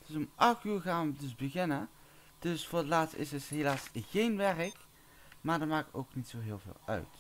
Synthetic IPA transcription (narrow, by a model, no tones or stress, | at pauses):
d̥ɪsomʔɑxtyːɹɣaːnʋədɵsbəɣɪnə | d̥ɵsfʊːɹətlaːtstɪ̰səsɦelaːsɣejnʋɛrək | maːɹdəɹmaːkko̰wknitsowɦɪːlˠvɪ̰ːlˠœ̰ɥt